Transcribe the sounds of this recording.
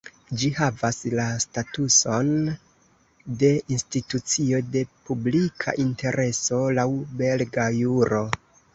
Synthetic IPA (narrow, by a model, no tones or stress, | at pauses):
d͡ʒihavaslastatuso̞n | de̞institut͡sio̞de̞publikʰa̰ʔinte̞ɾʔe̞so̞lawbe̞lɡajuɾo̞